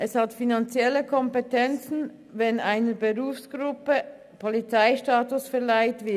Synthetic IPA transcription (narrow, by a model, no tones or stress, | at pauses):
ʔɛshatfinant͡sjɛləkʰɔmpɛtʰɛnt͡sn̩ | vɛnaɪnəbəʁuːfsɡ̥ʁʊpə | pʰɔlit͡saɪʃtaːtʊsfɛʁlaɪtv̥ɪ